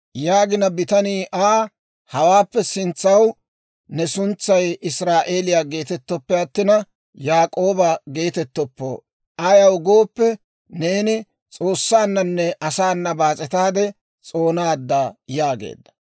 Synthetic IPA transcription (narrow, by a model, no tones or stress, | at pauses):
jaːɡɪnɐbɪt̪ɐniːʔaː | hɐwaːpːɛsɪnt͡sːɐw | nɛsʊnt͡sːɐjɪsɾaːʔe̞ːlɪjaːɡe̞ːt̪ɛt̪ːɔpːɛɐt̪ːɪnɐ | jaːkʼo̞ːbɐɡe̞ːt̪ɛt̪ːɔpːo̰ | aːjɐwɡo̞ːpːɛ | ne̞ːnɪ | t͡sʼo̞ːsːaːnːɐnːɛʔɐsaːnːɐbaːt͡sʼɛt̪aːd̪ɛ | t͡sʼo̞ːnaːd̪ːaːjaːɡḛːd̪ːɐ̥